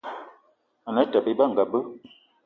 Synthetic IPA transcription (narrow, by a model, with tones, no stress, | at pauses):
a˨na˨˦ta˨be˦ba˦˨ŋ˨ɡa˨bə˦